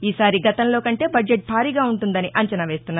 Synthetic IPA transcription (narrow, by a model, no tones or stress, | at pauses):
iːsaːɾiɡɐt̪ɐmlo̞ːkɐɳʈe̞ːbɐd͡ʒe̞ʈ̚bʱaːɾiɡaːuɳʈund̪ɐniʔɐɲt͡ʃɐnɐʋe̞ːst̪unːa